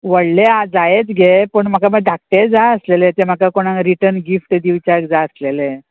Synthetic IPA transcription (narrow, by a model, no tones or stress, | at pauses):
ʋəɽlead͡zajet͡sɡʱepəɳm̤əkaməɡ̚ɖak̚ʈed͡zaəslelet̪em̤akakoɽ̃ãɾiʈəɾnɡifʈd̪iʋt͡ɕakd͡zaəslele